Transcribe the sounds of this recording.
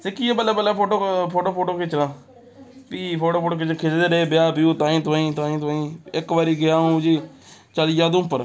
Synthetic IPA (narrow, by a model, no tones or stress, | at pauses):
sɪkiːeːbəlːeːbəlːeːoːʈoːpʰoːʈoːpʰoːʈoːket͡ʃɾãː | piːpʰoːʈoːpʰoːʈoːkɪt͡ʃːkʰet͡ʃd̪eːɾeeːbɪjaːpijuːt̪ãːĩːt̪ãːĩːt̪ãːĩːt̪ʊaːĩːɪkʋaːɾiːɡɪaːũːd͡ʒiː | t͡ʃəlid͡ʒaːd̪ʊpːəɾ